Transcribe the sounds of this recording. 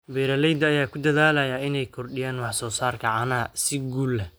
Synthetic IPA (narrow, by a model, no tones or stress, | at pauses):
bɛːɾɐlɛjd̪ɐjaːkʰʊd̪ɐðaːlɐjaːɪnɛjkʰɔrɖɪjaːnwɑħsɔːsaːrkʰɐʕɑnɐːsɪɡuːlɛ